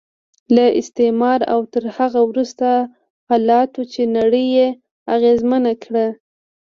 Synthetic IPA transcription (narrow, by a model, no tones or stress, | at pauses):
laʔɪ̰st̪emɑɾa̰wt̪əɾhaɣawɾust̪a | hɑlɑt̪ot͡ʃenaɽəjːe | aɣezmənakɽa